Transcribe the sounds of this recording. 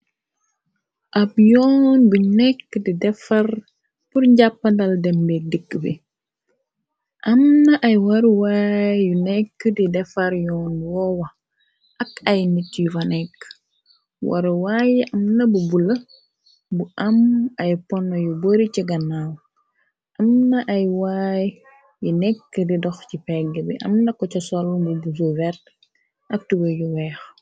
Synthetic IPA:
ʔabjɔːnbunɛkːədidɛfɐr | puɾɲɟapːɐndɐldɛmbɛk̚dikːəbḭ | ʔɐmnɐʔɐjwɐɾuwaːjjunɛkːədidɛfɐɾjɔːnwɔwɐ | ʔɐkɐjnitːifɐnɛkː | wɐ̰ɾwajɛʔɐmnɐbubulɐ | buʔɐmɐjpɔnːɔjuboɾiciɡɐnaw | ʔɐmnɐʔɐjwaːj | junɛkːədidɔxcipɛɡːəbiʔɐ̰mnɐkɔt͡ʃɐsɔlbubus̬uvɛɾt | ʔɐk̚tiwɐjuwɛːx

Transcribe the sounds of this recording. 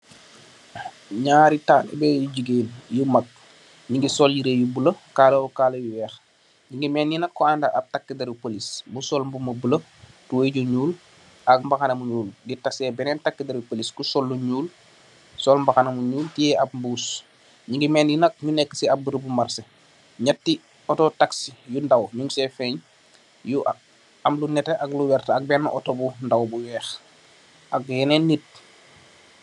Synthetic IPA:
ɲaːɾitaːnɛ̰bɛːjuɟuɡeːnjumɐk̚ | ɲiŋɡisɔljiɾejubuləkaːloukalojuwɛːx | ɲiŋɡimɛːnjinɐkːɔandaɐp̚takːidɐɾupolisbusɔlmbuməbulə | tuweɟuɲuːl | ʔɐk̚mbɐxanɐmuɲuːlɡitɐsɛːbɛnɛntakːidɐɾupoliskusɔlːuɲuːl | sɔlmbaxanɐmuɲuːltijɛʔap̚mbuːs | ɲiŋɡimɛːnjinɐk̚ɲunɛkːə̥siabəɾəbumarse | ɲatːi | ɔtɔtaksijundawɲuŋsɛfɛɲ | juʔ | amlunɛteʔakluwɛrtɐk̚bɛnːʔɔtɔbundawbuwɛːx | ɐk̚jɛnɛnːit̚

